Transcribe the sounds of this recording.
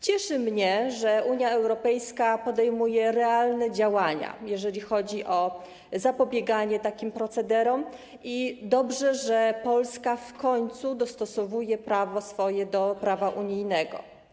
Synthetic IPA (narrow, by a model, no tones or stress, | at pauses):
t͡ɕɛʂɘmɲɛʐɛʔuɲjaɛwɾɔpɛjskapɔd̪ɛjmujɛɾɛalnɛd͡ʑawaɲa̰jɛʐɛlʲixɔd͡ʑiʔɔ | zapɔbʲjɛɡaɲɛt̪akʲimpɾɔt̪sɛd̪ɛɾɔm | id̪ɔbʐɛʐɛpɔlskafkɔɲt̪sud̪ɔst̪ɔsɔvujɛpɾavɔsfɔjɛd̪ɔpɾavaʔuɲijnɛɡɔ̰